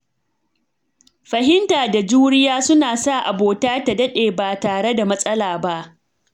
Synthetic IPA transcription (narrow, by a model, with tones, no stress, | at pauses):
ɸɐ˨ɦɪ˦ntaː˨da˨d͡ʒuː˦ɽɪ˦jaː˦sʊ˦naː˨sa˦˨ʔa˨boː˨taː˦ta˨dɐ˦ɗeː˨baː˨taː˨ɽe˦da˨mɐ˦sʼɐ˦laː˨ba˦ʔ